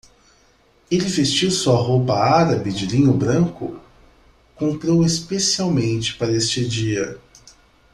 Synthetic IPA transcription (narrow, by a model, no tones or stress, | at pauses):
elɪvest͡ʃiwsuɐɦowpɐaɾɐbɪd͡ʒɪlĩɲʊbɾɐ̃ŋkʊ̰ | kõmpɾowespesiawmẽnt͡ʃɪ̥paɾɐest͡ʃɪd͡ʒiɐ